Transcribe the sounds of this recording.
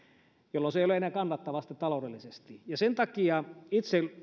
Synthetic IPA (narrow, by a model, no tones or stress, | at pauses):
jolːonseijoleenæːkɑnːɑt̪ːɑʋɑst̪it̪t̪ɑlodelːisest̪ijɑsent̪ɑkiɑit̪se